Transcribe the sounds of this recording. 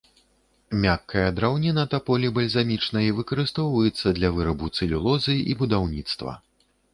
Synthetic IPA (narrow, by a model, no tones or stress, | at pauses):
mʲakːɐjɐd̪ɾawnʲinɐt̪ɐpɔlʲibɐlʲzamʲit͡ʂnɐjɐvɨkɐɾɨst̪ɔwvɐjɛt̪sːɐd̪lʲɐvɨɾɐbut̪sɨlʲulˠɔzɨʔibud̪awnʲit̪st̪vɐ̰